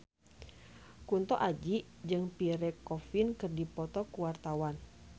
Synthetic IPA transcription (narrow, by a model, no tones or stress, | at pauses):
kunt̪ɔʔad͡ʒi | d͡ʒɨŋpiɾɛkɔfinkɨrdipɔt̪ɔkuwart̪awan